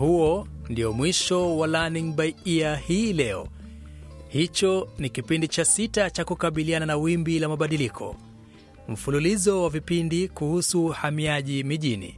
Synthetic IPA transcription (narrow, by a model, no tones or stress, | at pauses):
huɔndiɔmwiʃɔwalaniŋbaiiahiːlɛɔ̰ | hit͡ʃɔnikipindit͡ʃasitat͡ʃakukaɓiliananawimbilamaɓaɗilikʰɔ̰ | m̩fululizɔwavipindikuhusuhamiaʄimiʄinḭ